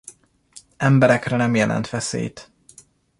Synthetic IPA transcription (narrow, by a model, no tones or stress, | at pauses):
ɛmbɛɾɛkrɛnɛmjɛlɛ̰nt̪ʋɛsḛːjt̪